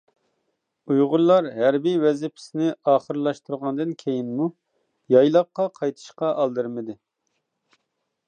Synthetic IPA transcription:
ujʁʊllːˠɑɾɦæɾbiwɛzɪpʰɪ̥sɪnɪɑːχəɾlˠɑʃt̪uɾʁɑnd̪ɨnkʲʰejinmu | jɑjlˠɑqːɑqʰɑjt̪ʰɨ̥ʃqɑʔɑlˠd̪ɨɾmɨd̪ɨ

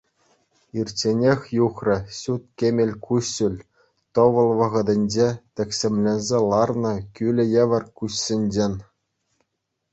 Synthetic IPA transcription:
irʲt͡ɕenʲexʲjuχrɤ̆ɕut̪̚kʲemʲelʲkʰuɕːɘlʲ | t̪ŏʋɤ̆lˠʋɤ̆ʁɤ̆d̪ʲɘ̆nʲd͡ʑet̪ʲɘ̆kʲsʲĕmʲlʲĕnʲzʲelˠɑrnɤ̆kʲylʲɘ̆jĕʋʲɘ̆rkuɕsʲɘ̆nʲd͡ʑenʲ

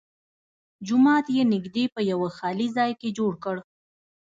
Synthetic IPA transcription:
d͡ʒʊmɑt̪jenɪɡd̪epəjawaxɑlizɑjked͡ʒoɽkəɽ

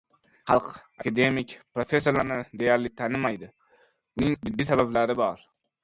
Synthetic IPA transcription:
χɑlˠqakʲʰad̪e̞mɪkʲpɾofesːolaɾnɪd̪e̞jaɾlɪt̪ʰanɪmajd̪ɪ | ʊnɪŋbɪd̪ːisabablaɾɪbɒɾ

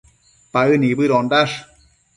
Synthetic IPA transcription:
paɯnibɯɾɔndaʂ

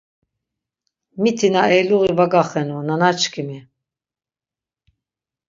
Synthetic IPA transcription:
mit̪ʰinaɛluɣivaɡaχɛnunanat͡ʃʰkʰimi

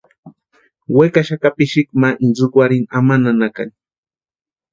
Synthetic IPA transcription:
wekaʃakapɪʃɪkmaʔzʊkwaɾɪnamananaka̰ŋ

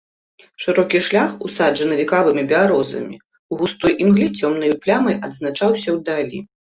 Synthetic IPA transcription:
ʂɨɾɔkʲiʂlʲaxusaʐɐnɐvʲikavɨmʲibʲɛaɾɔzɐ̰mʲḭ | uɣust̪ɔjʔimɣlʲit͡sʲɔmnɨjplʲamɐjʔɐd̪znat͡ʂawsʲɐwd̪alʲḭ

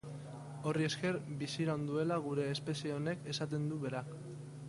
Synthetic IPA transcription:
o̞rie̞ske̞ɾbisiɾaond̪ue̞laɣ̞uɾe̞ːspe̞sieone̞ke̞sat̪e̞nd̪uβe̞ɾak

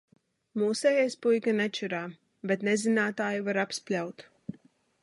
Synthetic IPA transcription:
muːsɛjɛjspujkanɛt͡ʃɛɾaː | bet̪nezinaːt̪aːjivaɾapsplʲawt̪

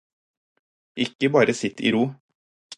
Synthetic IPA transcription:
ʔɪkːəbɑːɾəsɪt̪ʰḭːɾuː

